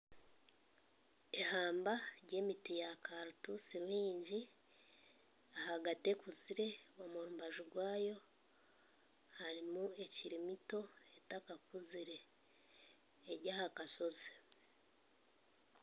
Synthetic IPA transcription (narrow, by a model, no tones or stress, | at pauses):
ehaːmbaɾɟe̞ːmitijakaɾutusiɾwiːɲɟi | ahaɡate̞kuziɾe̞wamuɾumbaʒuɾɡwaːjo̞ | haɾimue̞ciɾimito̞e̞takakuziɾe̞ | ɾɟahakaso̞ze